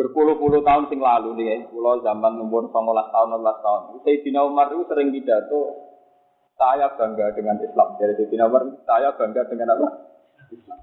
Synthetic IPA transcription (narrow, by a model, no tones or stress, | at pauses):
b̥ərpuluhpuluht̪aʊnsɪŋlaluniakulɔzamanumpʊnsɔŋolast̪aʊnɔnlast̪aʊnseid̪̥i̤naumarsəɾɪŋkid̥a̤t̪u | t̪ajab̥a̤ŋɡad̥əŋanislamd͡ʒadisid̥̪i̤namart̪ajab̥a̤ŋɡadəŋanawa | islam